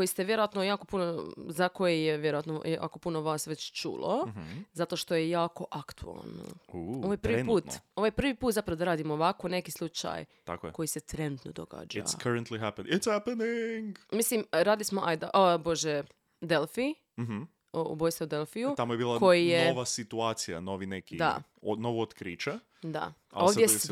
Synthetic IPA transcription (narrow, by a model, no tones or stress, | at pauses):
kojist̪eʋje̞ɾoat̪nojaːko̞punozako̞jejeʋjeɾoat̪noja̰ːkopunoʋaːsʋet͡ɕt͡ʃṵːlˠozat̪oʃt̪o̞jejaːko̞ʔakt̪ua̰lˠno̰uoʋajpɾ̩puːt̪oʋojpɾr̩ʋipuːt̪zapɾaʋod̪aɾaːd̪imooʋakone̞kislˠut͡ʃa̰jt̪a̰kojko̞jiset̪ɾenut̪nod̪oɡa̰d͡ʒa̰kʰaɾənt̪liɦæpənɪtshæpəniŋɡmislimɾaːd̪ilismoʔajd̪eʔəbo̞ʒe | d̪elˠfi | m̩ɦ̩ | oṵbojsaud̪elˠfijut̪amojebiːlˠako̞jijeʋasit̪uaːt̪sija̰noʋinekid̪a̰ | onoʋoot̪kɾiːt͡ʃa | d̪a̰ | aoːʋ̪je